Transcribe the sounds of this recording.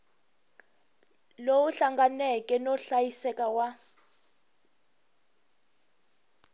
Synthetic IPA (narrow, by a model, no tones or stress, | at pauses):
lowuɬaŋɡanɛkʼɛnɔɬajisɛkʼawa